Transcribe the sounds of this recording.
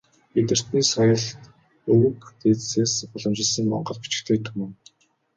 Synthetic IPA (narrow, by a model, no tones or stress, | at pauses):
et̪ɘ̆r̥t̪niːsɔjə̆ɮt̪ | ɵwɵ̆kt̪eːt͡sseːspɔɮɞ̆mt͡ɕɪ̆ɮsə̆ŋmɔ̰ɴɢɞ̆ɮpi̥t͡ɕɪ̆xt̪ʰeːt̪ʰumɘ̆ŋ